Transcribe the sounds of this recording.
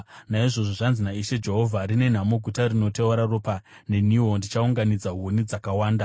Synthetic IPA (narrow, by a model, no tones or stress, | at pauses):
naiʐo̞ʐoʐanzinaiʃe̞d͡ʒe̞ɦo̞vʱarine̞n̤amoɡʱutarino̞teuɾaropane̞niondit͡ʃauŋɡanid͡zaɦonid͡zakawaːnda